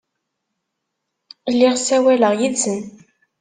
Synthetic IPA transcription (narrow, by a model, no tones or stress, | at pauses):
lːiʁsæwæləʁjit͡sːən